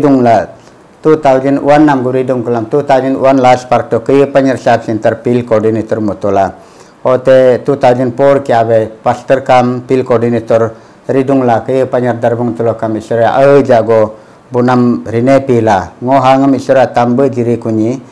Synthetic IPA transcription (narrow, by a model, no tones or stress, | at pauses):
duŋla | t̪ut̪awd͡ʒənṵwanːamɡuɾiduŋkəlamt̪ut̪awd͡ʒənṵwanlaspaɾtɔkəjəpaɲəɾsap̚sint̪əɾpilkɔdinet̪ɔɾmɔt̪ɔla | ɔt̪et̪ut̪awd͡ʒənpɔɾkiabepast̪əɾkampilkɔdinet̪ɔɾ | ɾiduŋlakəjəpaɲəɾd̪aɾbɔŋt̪ulɔkamisɔɾɔjaʔəd͡ʒaʔɡɔ | bunamɾinepilaŋɔɦaŋəmisɔɾjat̪ambəʔd͡ʒiɾikuɲi